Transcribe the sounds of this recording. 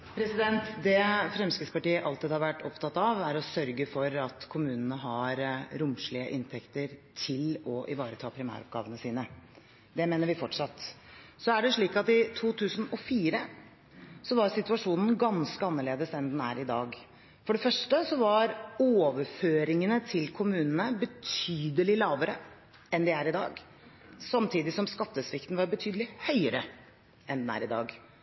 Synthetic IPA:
pʰɾɛsɪd̪ɛnt̪d̪ɛfɾɛmskɾɪspɑʈiːəʔɑlt̪iːd̪hɑɾʋæʈːɔ̰pt̪ɑt̪ːɑʋæɾɔsœɾɡəfɔɾɑt̪kʰʊmʉːnənəɦɑɾɾʊmʂɭɪə̰ʔɪnt̪ʰɛkt̪əɾt̪ʰɪlɔʔɪ̰ʋɑːɾət̪ʰɑːpʰɾɪmæ̰ːɾɔ̰p̚ɡɑ̰ːʋənəsiːnə | d̪ɛmeːnəɾʋɪfɔʈʂɑt̪ː | sɔæɖɛʂɭiːkɑt̪ɪt̪ʰuːt̪ʰʉːsənɔfiːɾə | sɔʋɑɾsɪt̪ʉɑʂuːnn̩ɡɑnskəɑnːəɭeːd̪əsɛnd̪næ̰ɾɪd̪ɑ̰ːɡ | fɔɖɛfœʂʈəsɔʋɑɾoːʋəɾføːɾɪŋənət̪ʰɪlkʰʊmʉːnənəbət̪ʰyːd̪əlɪlɑːʋəɾə | ɛnd̪ɪæɾɪd̪ɑ̰ːɡ | sɑmt̪ʰiːd̪ɪsɔmskɑt̪ːəsʋɪkt̪n̩ʋɑɾbət̪ʰyːd̪əlɪhœʏəɾə | ʔɛnd̪ɛnæ̰ːɾɪd̪ɑ̰ːɡ

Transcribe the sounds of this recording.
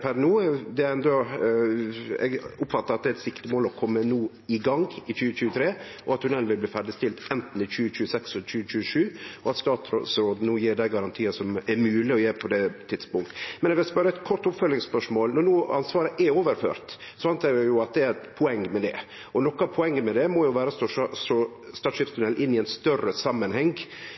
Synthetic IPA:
pʰæɾnuːd̪ɛæɾɛnd̪ɔ | ɛ̰ɡʊpfɑt̪ːəɾɑt̪̚d̪ɛæɾɛt̪sɪkt̪ɪmoːlɔkʰɔmːənuː | ɪɡɑŋɪçʉːəc͡çʉːət̪ʰɾeː | ʔɔɑt̪hʉnɛlnʋɪlbliːfæɖɪst̪ɪlt̪ɛnt̪n̩ɪçʉːəc͡çʉːəsɛksɛlt͡ʃʉːt͡ʃʉːʂʉːɔɑt̪st̪ɑːt̪ɾo̰sɾoːd̪n̩uːjiːɾɖ̪æɪɡɑɾɑnt̪ʰiːəsɔmæɾmʉːlɪɔjeːpʰɔd̪ɛt̪ʰɪt̪spʊŋt̪ə̥mɛnɛʋɛlspœɾəɛt̪kʰɔɾʈ̪ʊpfœlɪŋspœʂmoːlnɔnuːɑnsʋɑːɾəʔɛoːʋəɾfø̰ːɾt̪ | sɔɑnt̪ʰɑəjʊɑt̪̚d̪ɛæɾt̪pʰʊɛŋːmɛd̪ɛ̰ | ʔɔnɔkːəɑpʰɔɛŋːəmɛd̪ɛmɔːjʊʋæːɾəsɔʂsɔ | st̪ɑːt̪ʂɪpst̪ʰʉnɛlʔɪnːɪɛɪnst̪œrəsɑmːənhɛŋɡ

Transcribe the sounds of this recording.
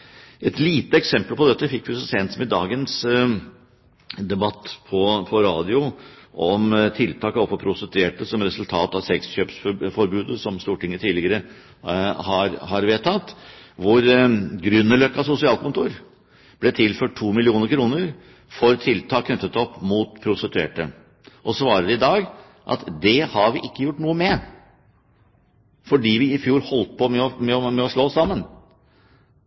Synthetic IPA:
ɛt̪liːt̪əɛksɛmpəlpɔd̪ɛt̪ːəfɪkːfʉsəsɛnt̪smɪd̪ɑːɡəns | d̪ɛbɑt̪ːpʰɔpʰɔɾɑːd̪ɪʊʔɔmt̪ʰɪlt̪ʰɑːkɔpfɔpʰɾʊst̪ət̪ʰeːʈəsɔmɾɛsʉlt̪ʰɑːt̪ɑsɛksçøːpsfɔɾbʉːd̪əsɔmst̪uːʈɪŋːət̪ʰiːlɪɡəɾə | hɑɾhɑɾʋeːt̪ʰɑt̪ːʋʊɾɡɾʏnːəlœkːɑsʊsɪɑːlkʰʊnt̪uːɾ | b̥lɛt̪ʰɪlføːʈ̚ʈʰːuːmɪlɪuːnəɾkʰɾuːnəɾ | fɔɾt̪ʰɪlt̪ʰɑːkʰːnœt̪ːət̪ɔpːmuːt̪pʰɾʊsət̪ʉḛːʈə̰ | ʔɔsʋɑːɾəɾɪd̪ɑːɡ | ʔɑ̰t̪d̪ɛhɑɾʋɪʔɪkːəjʊʈːnuːəmɛ | fɔɖiːʋɪɪfjuːɾhɔlt̪̚pʰɔmɛɔmɛɔmɛɔʂɭoːsɑmːən

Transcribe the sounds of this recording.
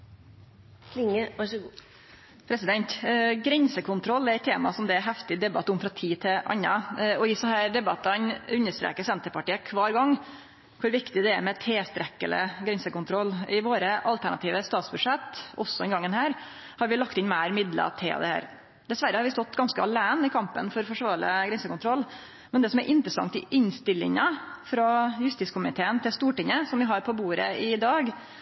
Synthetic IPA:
lɪŋəʋɑʂəɡu | pʰɾɛsɪd̪ɛnt̪ɡɾɛnsəkʰʊnt̪ʰɾɔlːɛɾɛt̪ʰeːmɑsɔmd̪ɛɛɦɛft̪ɪd̪ɛbɑt̪ːʊmfɾɑt̪ʰiːt̪ʰɪʔɑ̰nːɑɔjɪsɑhæːɾɖ̪ɛbɑt̪ːɑnʉnːəʂt̪ɾḛːkəsɛnt̪əɾpɑʈiːəkʰʋɑːɾɡɑŋː | kʰʊɾʋɪkt̪ɪd̪ɛɛɾmɛt̪ʰeːst̪ɾɛkːələ̰ɡɾɛnsəkʊnt̪ʰɾɔlːɪʋoːɾəʔɑlt̪ʰæɳɑ̰t̪ʰiːʋəst̪ɑːt̪sbʉdʂɛt̪ːɔ̰sːɔɛnɡɑŋːənhæːɾ | hɑɾʋɪlɑk̚t̪ɪnmæɪɾmɪd̪lə̰t̪ʰḛːɑ̰d̪ɛhæ̰ːɾ | d̪ɛsʋæɾːəhɑɾʋɪst̪ɔt̪ːɡɑnskəɑlæːnɪkʰɑmpənfɔɾfɔʂʋɑːɾɭə̰ɡɾɛnsəkʊnt̪ʰɾɔlː | mɛnd̪ɛsɔmæ̰ɾʔɪnt̪ɾəsɑ̰ŋt̪ɪʔɪɲst̪ɪlːɪ̰ŋəfɾɑjʉst̪ɪskʰʊmɪt̪ʰeːənt̪ɪlst̪uːʈɪŋːəsɔmʋɪɦɑɾpʰɔbuːɾəɪd̪ɑːɡ

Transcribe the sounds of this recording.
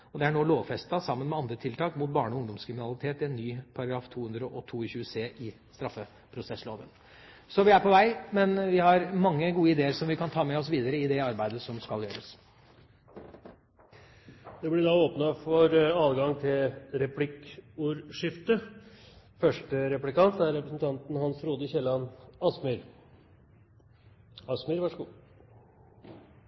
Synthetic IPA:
ɔd̪ɛæɳoːloːʋfɛst̪ɑsɑmːənmɛɑnd̪ɾət̪ʰɪlt̪ɑːkmʊt̪̚bɑːɳəɔʊŋd̪ɔmskʰɾɪmɪnɑlɪt̪ʰeːt̪ɪɛnːyːpʰɑɾɑɡɾɑːft̪ʰuːhʉnd̪ɾəʔɔt̪ʰuːɪçʉːəseːʔɪ | st̪ɾɑfːə | pʰɾʊsɛsːloːd̪ən | sɔʋɪæɾpʰɔʋæɪmɛnʋɪhɑɾmɑŋːəɡuːəɪd̪eːəɾʂɔmʋɪkʰɑnt̪ʰɑːmɛɔsʋiːd̪əɾəɪd̪ɛɑɾbæɪd̪əsɔmskɑljøːɾəs | d̪̥ɛblɪd̪ɑoːpnɑfɔɾɑːlɡɑŋt̪ʰɪlɾɛpʰlɪkuːɾʂɪft̪ə | fœʂʈəɾɛplɪkɑnt̪æɾɾɛpɾəsn̩t̪ʰɑnt̪n̩hɑnsɾuːd̪əçɛlɑnɑsmʏɾ | ɑsməɾʋɑʂəɡuː

